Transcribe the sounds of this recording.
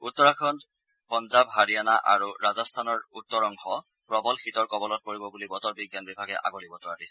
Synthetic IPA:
utːɔɹakʰɔn | pɔnzabɦaɹianaʔa̰ɹuɹazɔstʰanɔɹutːɔɹɔŋxɔ | pɹɔbɔlxitɔɹkɔbɔlɔt̚poɹibɔbulibɔtɔɹbiɡjanbibʱaɡɛʔa̰ɡɔlibɔtɔɹadisɛ

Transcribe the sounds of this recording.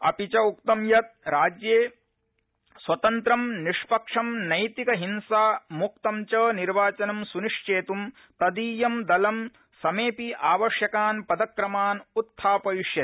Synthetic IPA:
ɐ̰pit͡ʃɐuk̚t̪ɐmjɐt̪̚ɾaːd͡ʒjeː | swɐt̪ɐnt̪ɾɐmniʂpɐkʂɐmnɐjt̪ikɐɦinsaːmuk̚t̪ɐmt͡ʃɐːniɾʋaːt͡ʃɐnɐmsuniʂt͡ʃeːt̪um | t̪ɐd̪iːjɐmd̪ɐlɐm | sɐmeːpiʔaːʋɐʂjɐkaːnpɐd̪ɐkɾɐmaːnut̪ʰːaːpɐʋiʂjɐt̪

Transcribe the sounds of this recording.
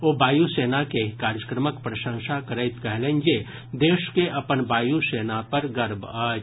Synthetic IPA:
oːbaːjuseːnakeɦkaːɾjəkɾəməkpɾəʃə̃ŋʃakəɾəɪt̪kəɦlẽnd͡ʒe | d̪eːʃkeʔɐpənbaːjuseːnapɐɾɡəɾbəː

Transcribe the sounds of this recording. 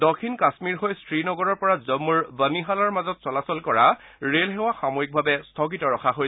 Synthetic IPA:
dokʰːinkasmiɹɦojstʰɹinɔɡɔɹɔɹpɔɹazəmːuɹbəniɦalaɹmazɔtsɔlasɔlkɔɹa | ɹelɦɛwaxamoik̚bʱabɛstʰɔkitɔɹɔkʰaɦoj

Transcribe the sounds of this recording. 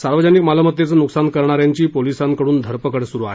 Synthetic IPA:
saɾʋəd͡ʑanikmalamət̪jet͡səːnuksankəɾɳaɾjaɲt͡ɕiːpolisankəɽuːnd̪ʱəɾpəkəɽsuɾuːaɦe

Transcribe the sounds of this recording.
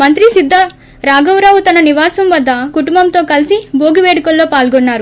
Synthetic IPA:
mɐnt̪ɾisid̪ʱːɐ | ɾaːɡɐwɾaːʋut̪ɐnɐniʋaːsɐmʋɐd̪ːɐkuʈumbɐmt̪o̞ːkɐlisiboːɡuʋeːɽukɐlːo̞ːpaːlɡɔnːaːɾu

